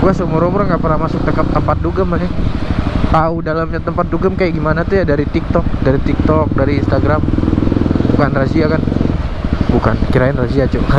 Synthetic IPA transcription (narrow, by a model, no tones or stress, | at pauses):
ɡuasəmɔɾomɔɾaŋɡaʔpərnamasʊk̚t̪əkəp̚t̪ːəmpat̪̚duɡəmanɛ | t̪audalamɲat̪əmpat̪̚duɡəmkajaʔɡimanat̪ujadaɾit̪ik̚t̪ɔk̚daɾit̪ik̚t̪ɔk̚daɾiːnst̪aɡɾam | bukanrasiakan | bukankiɾaɪnrad͡ʒiat͡ʃu